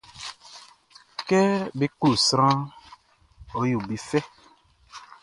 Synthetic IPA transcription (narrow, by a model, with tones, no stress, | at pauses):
kɛ˦bi˦k͡pu˦˨sɾ̃ã˦ | o˨ju˨bi˨fɛ˦